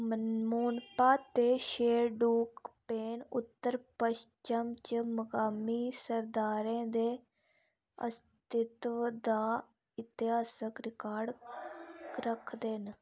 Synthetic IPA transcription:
məmuːnpaːt̪eːʃeːɾɖuːkpeːnʊt̪ːəɾpəʃt͡ʃəmt͡ʃməkaːmiːsəɾd̪aːɾẽːd̪eː | ə̰st̪ɪt̪ʋd̪aː | ɪt̪ɪɦaːsəkɾɪkaːɾɖ | ɾəkʰd̪en

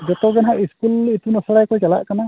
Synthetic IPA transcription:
d͡ʒɔt̪ɔɡɛnɦaʔiskulit̪unɔsaɽajkɔjt͡ʃala̰ʔkana

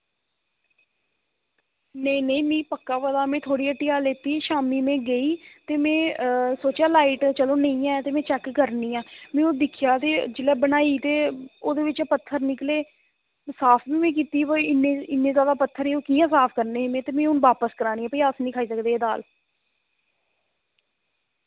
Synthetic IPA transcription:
neineĩːmĩːpəkːaːʋəd̪aːmɛ̃ːt̪ʰoːɽiːəʈːiːaːleːt̪iːʃaːmiːmẽːɡəiːt̪eːmẽːsoːt͡ʃaːlaːiːʈt͡ʃəloːnəĩːãːɛt̪eːmɛ̃ːt͡ʃɛːkːəɾniːãːmẽːoːd̪ɪkʰjaːt̪eːd͡ʒɪlɛːbənaːiːt̪eːoːd̪eːʋɪt͡ʃːpət̪ʰːəɾnɪkleː | saːpʰnĩːmẽːk̬iːt̪iːʋoɪnːẽːɪnːẽːzjaːd̪aːpət̪ʰːəɾeːoːkiːjãːsaːpʰkəɾneːɦɪmẽːt̪eːmẽːʊnʋaːpəskəɾaːniːɛ̃ːpəiːaːsnĩːkʰaːiːsəkd̪eːeːd̪a̰ːl

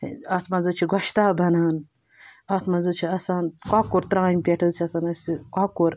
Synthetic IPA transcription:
ɐt̪ʰmɐnzɨt͡ʃʰiɡɐʃt̪aːbʱɐnaːn | ɐt̪ʰmɐnzɨt͡ʃʰiɐsaːnkaːkuɾt̪ɾãːmʲpʲeʈʰɨzt͡ʃʰiɐsaːnɐsikaːkuɾ

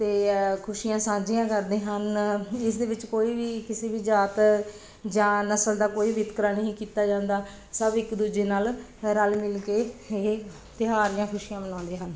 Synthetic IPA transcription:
t̪eːkʰʊʃijãːsãːd͡ʒijãːkəɾd̪eːɦənɪsd̪eːʋɪt͡ʃkoːiːʋiːkɪseːbiːd͡ʒaːt̪ | d͡ʒãːnəsəld̪aːkoːiːʋɪt̪kəɾaːnəɦĩːkiːt̪aːd͡ʒãːnd̪aː | səbɪkd̪uːd͡ʒeːnaːlɾəlmɪlkeːe | t̪ɪɦaːɾɪjãːkʰʊʃijãːmənãːnd̪eːɦən

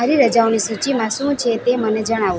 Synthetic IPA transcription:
aɾiɾəd͡ʒaʋnisut͡ʃimãʃũt͡ʃʰet̪eməned͡ʒəɽ̃aʋũ

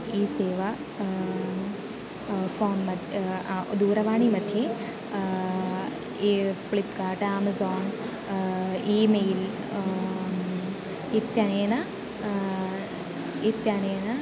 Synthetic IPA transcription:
iːseːʋa | foːnmɐd̪ʱ | d̪uːɾɐʋaːɳimɐd̪ʱje | flipkaːʈaːmɐzoːn | iːmeːl | it̪ːjaneːnɐ | it̪janeːnɐ

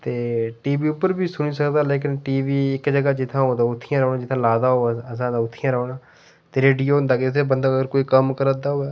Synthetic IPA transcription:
t̪eːʈiːbiːʊpːəɾbʱiːsʊniːsəkd̪aːleːk̬ɪnʈiːʋiːɪkd͡ʒəɡaːd͡ʒɪt̪ʰãːɦoːd̪aːʊt̪ʰːɪjãːɾəːnãːd͡ʒɪt̪ʰãːlaːd̪aːɦoːɛəsãːd̪aːʊt̪ʰːɪjãːɾəoːnaː | t̪eːɾeːɖijoːɦʊ̃nd̪aːkɪt̪ʰeːbənd̪aːəɡəɾkoːiːkəmkəɾə̃d̪aːɦoːɛː

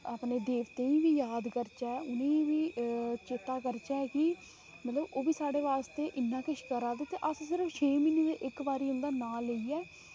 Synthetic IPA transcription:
aːpneːd̪eːʋt̪eːĩːʋiːjaːd̪kəɾt͡ʃɛːʊnẽːʋiːt͡ʃeːt̪aːkəɾt͡ʃaːkɪ | mət̪ləboːʋiːsaːɽeːʋaːst̪eːʔɪnːãːkɪʃkəɾaːd̪eːt̪eːʔəssɪɾəft͡ʃʰeːmineːd̪eʔɪkbaːɾiːʊ̃nd̪aːnaːleiɛː

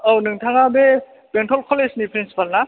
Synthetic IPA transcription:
ownɯŋtʰaŋabe | b̥entʰɔlkʰɔlesnipʰɾinsi̥palna

